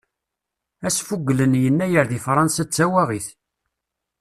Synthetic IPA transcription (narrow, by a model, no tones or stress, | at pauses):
æsfuɡːlənjənːæjəɾðifɾˤɑnsæt͡sːæwæʁiθ